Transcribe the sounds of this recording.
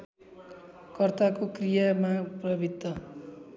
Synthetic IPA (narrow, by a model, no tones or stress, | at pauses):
kʌrt̪akokrijamaprʌbʱid̪ːʌ